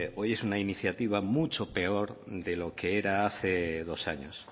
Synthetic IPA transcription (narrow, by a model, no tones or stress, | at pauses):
o̞jesunainiθjat̪iβ̞amut͡ʃope̞oɾðelo̞keeɾaaθeðo̞sa̰ɲos